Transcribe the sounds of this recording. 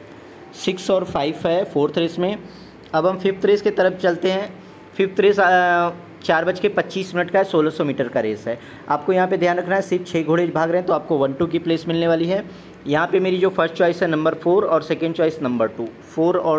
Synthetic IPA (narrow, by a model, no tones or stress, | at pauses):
sɪksɔːɾfʰaːɪʋɦɛfʰoːɾt̪ʰɾeːsmẽ | ɐbɦɐmfʰɪft̪ɾeːsket̪ɐɾəft͡ʃɐlt̪eɦɛ̃ | fʰɪft̪ɾeːs | t͡ʃaːɾbɐt͡ʃkepɐtːʃiːsmɪnəʈkaɦɛsoːlasɔmiːʈəɾkaɾeːzɦɛː | aːp̚kojɐɦãped̪ʱjaːnɾɐkʰnaɦɛsɪɾft͡ʃʰeːɡʱoːɽeːd͡ʒbʱaːɡɾɐɦɛ̃t̪oaːp̚koʋɐ̃nʈuk̬ipleːsmɪlneʋaːliɦɛː | jɐɦãpemeːɾid͡ʒoːfʰəɾsʈt͡ʃɔːɪsɦɛnɐ̃mbəɾfʰoːɾɔːɾsɛːkə̃ɳɖt͡ʃɔːɪsnɐ̃mbəɾʈuː | fʰoːɾɔː